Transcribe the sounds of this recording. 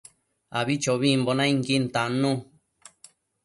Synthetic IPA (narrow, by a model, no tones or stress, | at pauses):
aβit͡ʃoβimbonãĩŋkint̪ãnũ